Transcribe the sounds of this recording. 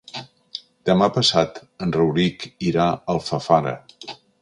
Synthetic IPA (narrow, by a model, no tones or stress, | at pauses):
d̪̥əmapəsat̪ənrəwɾikiɾaəlˠfəfaɾə̰